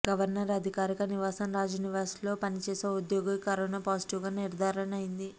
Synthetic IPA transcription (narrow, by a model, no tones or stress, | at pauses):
ɡɐʋɐɾnɐɾɐd̪ʱikaːɾikɐniʋaːsɐmɾaːd͡ʒuniʋaːslo̞ːpɐnit͡ʃeːseːud̪joːɡikɐɾoːnaːpaːsi̥ʈiʋɡaːniɾd̪ʱaːɾɐɳɐjind̪i